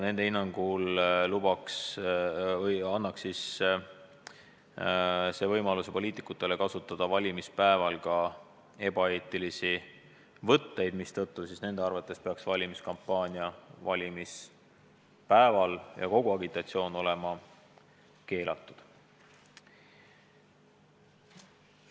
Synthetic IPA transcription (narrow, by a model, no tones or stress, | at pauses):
ne̞nd̪e̞inːɑŋɡ̥ullub̥ɑks | jɑnːɑksis | se̞vɤjmɑlusepo̞lʲiːt̪ikˑːut̪ːˑe̞le̞kɑsut̪ːˑɑd̪̥ɑvɑlʲimispæevɑlkɑ | e̞b̥ɑe̞ːt̪ˑilisi | vɤ̞t̪ːe̞jd̪mist̪ɤ̞t̪ːusisne̞nd̪̥e̞ɑɾvɑt̪ːˑe̞spe̞ɑksvɑlʲimiskɑmpˑːɑːnʲiɑvɑlʲimis | pæevɑljɑ̰ko̞ɡ̥uɑɡit̪ːˑɑt̪sio̞ːno̞le̞mɑ | ke̞ːlɑ̰t̪ːˑud̪̥